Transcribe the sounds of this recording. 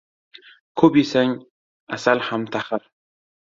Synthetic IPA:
kʰobisaŋ | a̰salhamt̪ʰaχəɾ

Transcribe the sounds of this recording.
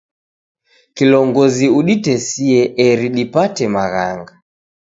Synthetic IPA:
kilɔŋɡɔziuɗitɛsiɛʔɛɾiɗipatɛmaɣa̰ŋɡa

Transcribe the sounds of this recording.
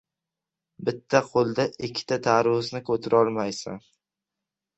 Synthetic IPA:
bɪt̪ʰːaqʰolˠd̪aʔɪkʲʰːɪ̥t̪ʰat̪ʰaɾʊsnɪkʰɵt̪ʰɪɾɒlˠmajsa̰n

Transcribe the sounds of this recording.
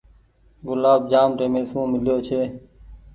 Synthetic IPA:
ɡʊlaːb̚d͡ʒaːmʈ̪eːmẽːsũːmɪljoːt͡ʃʰeː

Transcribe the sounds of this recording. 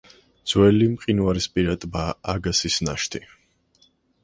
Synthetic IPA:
d̪z̥wɛlimqʼinuwaɾispʼiɾat̪ʼbaaɡasisna̰ʃt̪ʰi

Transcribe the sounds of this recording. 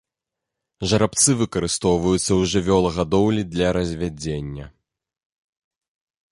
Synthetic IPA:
ʐɐɾap̚t̪sɨvɨkɐɾɨst̪ɔwvɐjut̪sːɐwʐɨvʲɔlˠɐɣad̪ɔwlʲid̪lʲɐɾɐzʲvʲad͡zʲenʲːɐ

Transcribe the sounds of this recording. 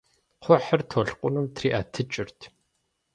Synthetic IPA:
qʷʰɔħɐrtʰoɬqʷʼʊnumtʰriːʔa̰ːtʰɨt͡ʃʼɪrtʰ

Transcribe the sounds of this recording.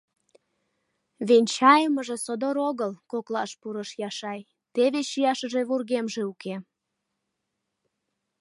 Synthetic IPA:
βenʲt͡ɕɑjəməʒe̽sod̪oɾoɣəlkoklɑʃpuɾəʃjɑʃɑj | t̪eβeɕijɑʃəʒe̽βurɣemʒeuke

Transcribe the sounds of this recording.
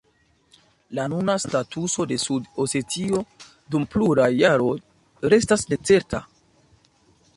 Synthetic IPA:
lanunastatuso̞de̞sudose̞tio̞ | dumpluɾajaɾo̞ | ɾe̞stasne̞t͡se̞ɾta

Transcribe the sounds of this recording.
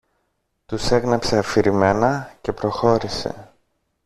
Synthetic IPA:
t̪use̞ɣnɐpse̞ɐfiɾime̞nɐce̞pɾo̞xo̞ɾise̞̰

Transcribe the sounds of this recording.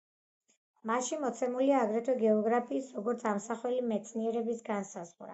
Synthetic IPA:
maʃimɔt̪sʰɛmuliaːɡɾɛt̪ʰɛɡɛɔɡɾapʰiːsɾɔɡɔɾt̪sʰamsaχwɛlimɛt̪sʰniɛɾɛbisɡansazʁɾa̰

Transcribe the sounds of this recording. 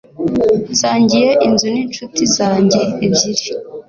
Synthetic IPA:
nsaːɲɟijeʔinzuniːnt͡ʃutizaːɲɟe̞ːbɟiɾi

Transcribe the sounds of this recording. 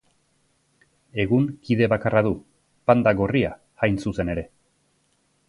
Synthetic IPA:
e̞ɣuŋkiðe̞βakaraðu | pand̪aɣo̞ria | ɣajnsuse̞ne̞ɾe̞

